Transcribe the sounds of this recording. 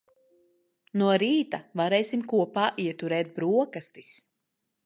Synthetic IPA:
nuɔɾiːt̪avaɾɛːjsimkuɔpaːʔiɛt̪uɾɛːt̪̚bɾuɔkast̪is

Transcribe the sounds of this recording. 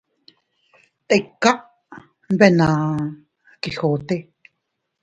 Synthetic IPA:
t̪ʼekːaʔ | nbena | kiɬot̪e

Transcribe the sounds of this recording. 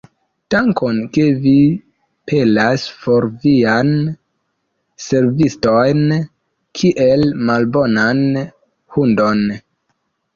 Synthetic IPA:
taŋkonke̞vi | pʰe̞laspo̞ɾvian | se̞ɾvistojn | kʰiʔe̞lmalbo̞nan | hundo̞n

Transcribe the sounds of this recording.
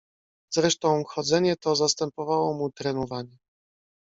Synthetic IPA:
zɾɛʂt̪ɔ̃w̃xɔd̪zɛɲɛt̪ɔzast̪ɛmpɔvawɔmut̪ɾɛnɔvaɲɛ

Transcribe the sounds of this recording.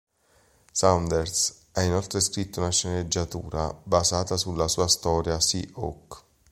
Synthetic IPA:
sand̪ers | ainolt̪ɾeskɾit̪ːounaʃːened͡ʒːat̪ṵːɾa̰bazaːt̪asulːasuːast̪ɔːɾjasḭʔo̰k

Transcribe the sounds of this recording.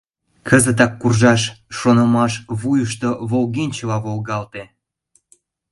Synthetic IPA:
kʰəzət̪̬ɑkːurʒɑʃːonəmɑʃβujəʃt̪oβolɣenʲt͡ɕəlɑβolɣɑlt̪e

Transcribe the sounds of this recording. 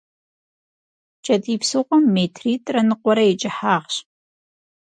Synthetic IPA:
t͡ʃʰɐtʼiːpsɨqʷʼɔmːetʰriːtʼrɐnɨqʷɔɾɐɛt͡ʃʼɪħaːʁɕ

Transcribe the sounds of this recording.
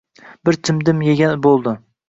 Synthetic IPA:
b̥ɪɾt̪ʰɪmd̪ɪmjeɡʲanbolˠd̪ɪ

